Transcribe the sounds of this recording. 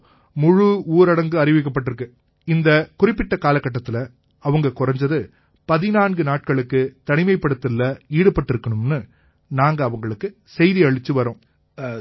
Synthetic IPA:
mʊɻɯuːɾɐɽɐŋɡɯɐrɪʋɪkːɐp̬ːɐʈːɪɾɯk̬ːɯ | ɪnd̪ɐkʊrɪpːɪʈːɐkaːlɐkːɐʈːɐt̪ːɪlɐ | ɐʋɐŋɡɐkʊrɐɲd͡ʒɐðɯ | pɐðɪnaːnɡɯnaːʈ̚kɐɭɯkːɯt̪ɐɳɪmɐɪpːɐɽɯt̪ːɯlːɐiːɽɯpːɐʈːɪɾɯkːɐɳɯmnɯ | naːŋɡɐːʋɐŋɡɐɭɯkːɯ | sɛjðiɐɻɪt͡ʃːɯʋɐɾõː

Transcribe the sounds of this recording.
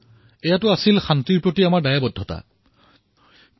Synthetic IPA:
ɛjatʊasilxantiɹpɹotiamaɹdajabɔdʱːɔta̰

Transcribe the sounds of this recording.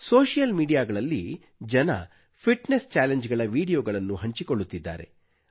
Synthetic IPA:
soːʂijɐlmiːɖijaːɡɐɭɐlːi | d͡ʒɐnɐ̰ | pʰiʈnest͡ʃaːleɲd͡ʒɡɐɭɐʋiːɽijoːɡɐɭɐnːuɦɐɲt͡ʃikoɭːut̪ːid̪ːa̰ːɾe̞̰

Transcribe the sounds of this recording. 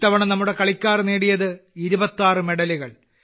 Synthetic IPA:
t̪ːɐʋɐɳɐmnɐmːuɽe̞kɐɭikʲːaːrneːɽijɐðɨiɾubɐt̪ːaːrɨme̞ɽɐliɣɐɭ

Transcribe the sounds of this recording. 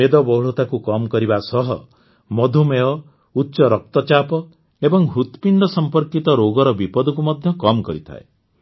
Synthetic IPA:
ed̪ɔbɔwɭɔt̪akukɔmɔkɔɾibasɔɦɔ | mɔd̪ʱumeɔ | utːʃɔɾɔk̚t̪ɔt͡ʃapɔ | ebɔŋɦut̪pind̪ɔsɔmpɔɾkit̪ɔɾoɡɔɾɔbipɔd̪ɔk̬umɔd̪ʱjɔkɔmɔkɔɾit̪ʰa̰e

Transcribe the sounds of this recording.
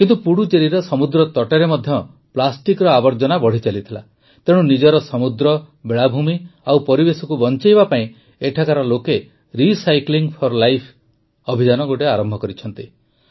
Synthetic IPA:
kint̪upuɽut͡ʃeɾiɾɔsɔmud̪ɾɔt̪ɔʈeɾemɔd̪ʱjɔ | plasʈikɾɔabɔɾd͡ʒɔnabɔɽ̤it͡ʃalit̪ʰila̰ | t̪eɽ̃unid͡ʒɔɾɔsɔmud̪ɾɔbeɭabʱumiawpɔɾibesɔkubɔnt͡ʃajbapaĩ | eʈʰakaɾɔloke | ɾisajkliŋpʰɔɾlajpʰ | ɔbʱid͡ʒanɔɡoʈeaɾɔmbʱɔkɔɾit͡ʃʰɔnt̪i

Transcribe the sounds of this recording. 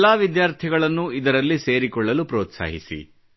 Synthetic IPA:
lːaːʋid̪jaːɾt̪ʰiɡɐɭɐnːuid̪ɐɾɐlːise̞ːɾikɔɭːɐlupɾoːt̪sa̰ːɦḭsḭ

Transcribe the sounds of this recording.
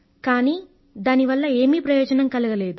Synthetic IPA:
kaːniː | d̪aːniʋɐlːɐe̞ːmiːpɾɐjɔːd͡ʒɐnɐmkɐluɡɐle̞ːd̪u

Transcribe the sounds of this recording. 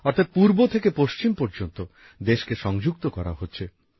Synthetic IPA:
ɔɾt̪ʰat̪̚puɾbot̪ʰekepoʃt͡ɕimpoɾd͡ʑont̪o | d̪eʃkeʃɔŋd͡ʑukt̪okɔɾa̰ɦotːɕʰe

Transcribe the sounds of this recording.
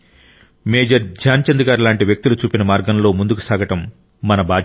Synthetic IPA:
me̞ːd͡ʒɐɾd͡ʒʱaːnt͡ʃɐnd̪uɡaːɾlaːɳʈiʋjɐk̚t̪ulut͡ʃuːpinɐmaːɾɡɐmlo̞ːmund̪uku̥saːɡɐʈɐmː | ɐnɐbaː

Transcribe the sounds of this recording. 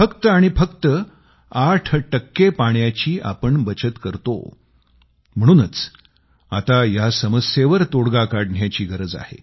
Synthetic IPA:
fəkt̪əaɽ̃ifəkt̪ə | aʈʰʈəkːepaɳjat͡ɕiːʔa̰pəɳbət͡ɕət̪kəɾt̪o̰ | m̤əɽ̃uːnət͡s | at̪ajasəməseʋəɾt̪oɽɡakaɽɳjat͡ɕiːɡʱəɾəd͡za̰hḛ

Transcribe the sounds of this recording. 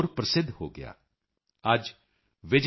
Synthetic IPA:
ɾpɾəsɪd̪ʱho̰ːɡɪ̰ja̰ː | ɐd͡ʒ | ʋɪd͡ʒ

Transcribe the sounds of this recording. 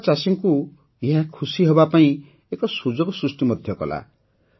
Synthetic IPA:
t͡ʃasiŋku | eɦakʰusiɦɔbapaĩ | ekɔsud͡ʒɔɡɔsɾusʈimɔd̪ʱjɔkɔ̰la̰

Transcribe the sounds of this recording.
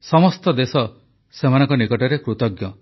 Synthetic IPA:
sɔmɔst̪ɔd̪esɔ | semanɔ̃ŋkɔnikɔʈɔɾekɾut̪ɔɡjɔ

